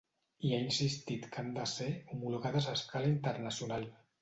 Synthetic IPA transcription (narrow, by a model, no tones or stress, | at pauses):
iainsist̪it̪kʰand̪aseumuluɣaðəzaskʰalaint̪əɾnasiunal